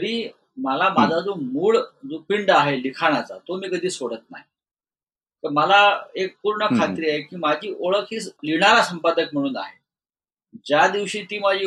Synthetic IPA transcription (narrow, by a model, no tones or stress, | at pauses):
ɾiː | məlamad͡zʱad͡zomuːɭd͡zopiɳɖaɦelikʰaɽ̃at͡sa̰t̪omiːkəd̪ʱiːsoɽət̪̚na̰ɦj | t̪əɾməlaek̚puɾɳəkʰat̪ɾiːaɦekiːmad͡ʑʱiːʔoɭəkʰiːsliɽ̃aɾasəmpad̪əkm̤əɽ̃uːna̰ɦe | d͡ʑjad̪iʋɕiːt̪iːmad͡ʑiː